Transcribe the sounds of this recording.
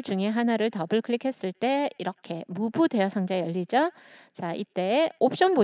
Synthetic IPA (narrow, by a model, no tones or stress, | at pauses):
ɭd͡ʑuŋe̞ɦanaɾɯɭtʌbɯɭkʰɯɭikʰe̞s͈ɯɭt͈e̞iɾʌkʰe̞mubudwe̞ʌsʰʌŋd͡ʑajʌʎːid͡ʑʌt͡ɕaʔit͈e̞ːop̚ɕ͈ʌnbo